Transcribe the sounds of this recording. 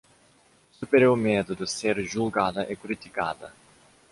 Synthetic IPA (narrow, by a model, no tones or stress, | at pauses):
supeɾjoɾmed̪ʊd̪ɪseɾʒulɡad̪ɐʔɛkɾit̪ika̰d̪ɐ̰